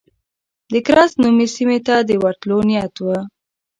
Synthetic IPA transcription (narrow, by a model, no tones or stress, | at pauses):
d̪əkɾɑsnumisimet̪ad̪əwaɾt̪lonijat̪wə